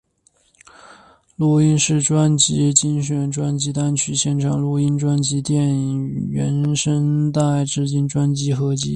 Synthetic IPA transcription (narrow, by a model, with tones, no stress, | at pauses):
lu˧˩i˥nʂɻ̩˥˩ʈ͡ʂwa˥nt͡ɕi˧˥t͡ɕi˥ŋɕɥɛ˧˥nʈ͡ʂwa˥nt͡ɕi˧˥t̪a˥nt͡ɕʰy˧˥ɕjɛ˥˩nʈ͡ʂʰɑ˨˩ŋlu˧˥i˥nʈ͡ʂwa˥nt͡ɕi˧˥t̪jɛ˥˩ni˨˩ɥɛ̰˧˥nʂə˥ŋt̪a˥˧ɪʈ͡ʂɻ̩˥˧t͡ɕi˥˩nʈ͡ʂwa˥nt͡ɕi˥xɤ˧˥t͡ɕi˧˥